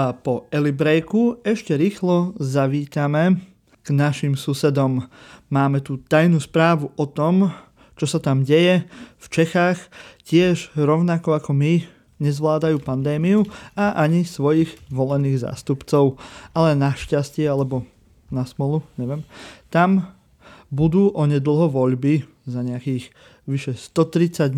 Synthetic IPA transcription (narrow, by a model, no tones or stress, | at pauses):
pɔɛlibɾɛjkuɛʃcɛɾiːxlɔzaʋiːt̪amɛ | ɡ̥naʃimsusɛd̪ɔmːaːmɛt̪ut̪ajnuːspɾaːʋuʔɔt̪ɔm | t͡ʃɔsat̪amɟɛjɛft͡ʃɛxaːxcɪɛʒɾɔʊnakɔakɔmi | ɲɛzʋlaːd̪ajuːpand̪ɛːmiuaʔaɲisʋɔjiːɣʋɔlɛniːɣza̰ːst̪upt͡sɔʊalɛnaʃcascɪɛalɛbɔ | nasmɛluɲɛʋɪɛmt̪am | bud̪uːʔɔɲɛd̪l̩ˠɦɔʋɔʎbi | zaɲɛakiːx | ʋiʃɛst̪ɔt̪ɾit͡saɟ